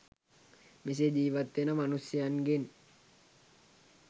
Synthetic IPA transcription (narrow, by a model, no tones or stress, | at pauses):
mis̬ed͡ʒiːʋat̪ːenamanusianɡen